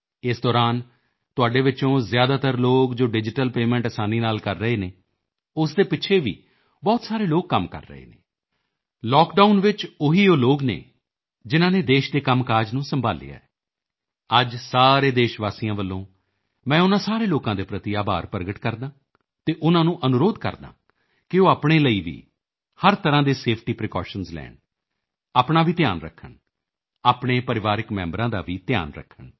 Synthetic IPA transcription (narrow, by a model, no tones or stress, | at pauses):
ɪsd̪ɔːɾaːn | t̪ʊaːɖeːʋɪt͡ʃõːzɪjaːd̪aːt̪əɾloːkd͡ʒoːɖɪd͡ʒɪʈəlpeːmɛ̃ɳʈəsaːniːnaːlkəɾːəɦeːneː | ʊsd̪eːpɪːʃʰeːʋḭː | bɔːt̪saːɾeːloːk̚ːəmkə̰ɾːə̰ɦḛːnḛː | lɔːkɖaːʊnʋɪt͡ʃʊɦiːoːloːknḛː | d͡ʒɪnãːneːd̪eːʃd̪eːkəmkaːd͡ʒnũːsəmbʱa̰ːlɪ̰ja̰ːɛː | əd͡ʒsaːɾeːd̪eːʃʋaːsijãːʋəlːõː | mɛ̃ːʊnãːsaːɾeːloːkãːd̪eːpɾət̪iaːba̰ːɾpəɾɡəʈkəɾd̪aː | t̪eːʔʊnãːnũːʔənʊɾoːd̪kə̰ɾd̪a̰ː | kɪoːaːpɳ̃eːləiːʋḭː | həɾt̪əɾãːd̪eːseːpʰʈiːpɾɪkɔːʃənzlɛ̰ːn | aːpɳaːʋiːt̪ɪja̰ːnɾə̰kʰːəɳ | aːpɳeːpəɾɪʋaːɾɪkmɛ̰̃ːmbɾãːd̪a̰ːʋiːt̪ja̰ːnɾə̰kʰːəɳ